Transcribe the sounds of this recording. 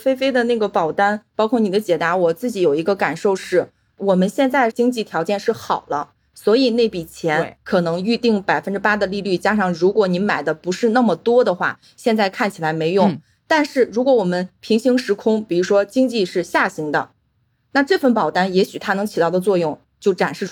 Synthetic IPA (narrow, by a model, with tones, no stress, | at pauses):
fe˥ɪfe˥ɪd̪ə˨na˥˩ɡə˩pɑ˨˩ʊt̪a˥npɑ˥ʊkʰwɔ˥˩ni˨˩d̪ə˦t͡ɕjɛ˨˩t̪a˧˥wɔ˨˩t͡sɹ̩˥˩t͡ɕi˧˥jo˨˩ʊi˧˥ɡə˧ka˨˩nʂo˥˧ʊʂɻ̩˥˩ | wɔ˨˩mə˦nɕjɛ˥˧nt͡sa˥˩ɪt͡ɕi˥ŋt͡ɕi˥˩t̪ʰjɑ˧˥ʊt͡ɕjɛ˥˧nʂɻ̩˥˩xɑ˨˩ʊlə˦ | swɔ˧˥i˨˩ne˥˩ɪpi˨˩t͡ɕʰjɛ˧˥nkʰɤ˨˩nɤ˧˥ŋy˥˧t̪i˥˩ŋpa˨˩ɪfə˥nʈ͡ʂɻ̩˥pa˥d̪ə˨li˥˧ly˥˩t͡ɕja˥ʂɑ˥˩ŋɻu˧˥kwɔ˧˥ni˧˥ma˨˩ɪd̪ə˦pu˧˥ʂɻ̩˥˧na˥˩mə˩t̪wɔ˥d̪ə˨xwa̰˥˩ | ɕjɛ˥˧nt͡sa˥˧ɪkʰa˥˩nt͡ɕʰi˨˩la˧˥ɪme˧˥ɪjʊ˥˩ŋ | t̪a˥˧nʂɻ̩˥˩ɻu˧˥kwɔ˧˥wɔ˨˩mə˦npʰi˧˥ŋɕi˧˥ŋʂɻ̩˧˥kʰʊ˥ŋpi˨˩ɻu˧˥ʂwɔ˥t͡ɕi˥ŋt͡ɕi˥˧ʂɻ̩˥˧ɕja˥˩ɕi˧˥ŋd̪ə̰˧ | na˥˧ʈ͡ʂɤ˥˧fə˥˩npɑ˨˩ʊt̪a˥njɛ˧˥ɕy˨˩t̪ʰa˥nɤ˧˥ŋt͡ɕʰi˨˩t̪ɑ˥˩ʊd̪ə˩t͡swɔ˥˧jʊ˥˩ŋ | t͡ɕjo˥˩ʊʈ͡ʂa˨˩nʂɻ̩˥˩